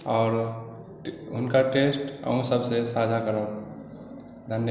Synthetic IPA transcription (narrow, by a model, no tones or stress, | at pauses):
ɔːɾ | ɦʊnkaʈesʈə̰ũsəbsesad͡ʒʱakəɾəb̚ | d̪ʱənj